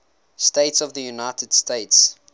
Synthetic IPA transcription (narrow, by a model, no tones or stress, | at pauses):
steɪtsɔvðəjunaɪtʰəd̥steɪts